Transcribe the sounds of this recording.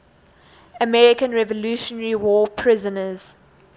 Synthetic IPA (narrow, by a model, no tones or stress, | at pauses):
əmɛɹɪkə̃nɹɛvɔluːʃɔnəɹiwɔːpʰɹɪzənəz̥